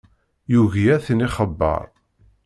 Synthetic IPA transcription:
juɣiæθniχəbːə̰ɾˤ

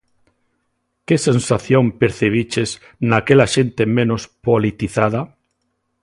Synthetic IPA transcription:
kesensaθjompeɾθeβ̞it͡ʃez | nakelaʃent̪emẽnospolit̪iθað̞a

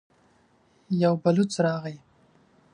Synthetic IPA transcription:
jawbalʊt͡sɾɑɣaj

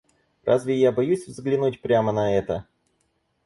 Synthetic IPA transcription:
rʔa̰zʲvʲɪjabɐjusʲvzɡlʲɪnut̚ʲpɾʲamənɐɛt̪ə

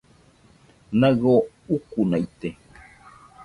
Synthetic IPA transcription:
naɡo | ukunait̪e

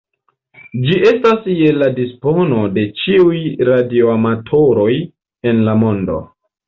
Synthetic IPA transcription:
d͡ʒiʔe̞stasjeladispo̞no̞de̞t͡ʃiujɾadio̞amatʰo̞ɾo̞j | enlamo̞ndo̞̰

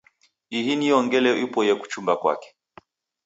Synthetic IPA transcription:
ihiniɔŋɡɛlɛʔipɔjɛku̥t͡ʃumbakwa̰kɛ̥

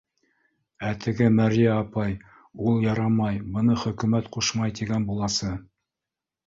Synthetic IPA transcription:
æt̪ʰɘ̆ɡɘmæɾijæːpɑj | ulˠjɑɾɑmɑjbɤ̆nɤχɵ̆kɵ̆mæt̪quʃmɑjt̪iɡænbulˠɑsɤ

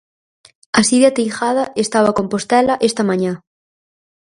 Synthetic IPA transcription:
ɐsiðjat̪ijxaðɐʔest̪aβ̞akompost̪ɛlɐʔest̪ɐmãɲã

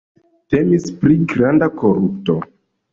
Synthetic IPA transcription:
te̞mispɾiɡɾandakoɾupto̞

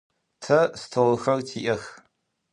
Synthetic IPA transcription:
tʰɐstʰowɨxɐrtʰiːʔɐx

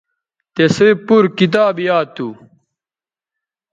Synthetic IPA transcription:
t̪esepuɾkit̪̬aːbjaːt̪ːu

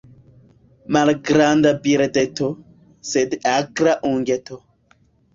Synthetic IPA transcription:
malɡɾand̪abiɾed̪et̪o | sed̪akɾaʔũŋɡet̪o

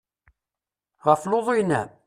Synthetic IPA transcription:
ʁəfloðˤojnːæ

